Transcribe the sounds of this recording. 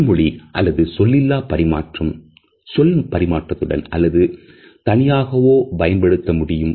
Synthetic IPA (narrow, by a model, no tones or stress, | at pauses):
mʊɭiʔɐlːɐðɯsɔlːɪlːaːpɐɾɪma̰ːʈrɯm | sɔlpɐɾɪmaːʈrɐt̪ːɯɽɐ̰nɐ̰lːɐðɯ | t̪ɐnɪjaːɣɐʋoːpɐjɐnbɐɽɯt̪ːɐmʊɽɪjɯm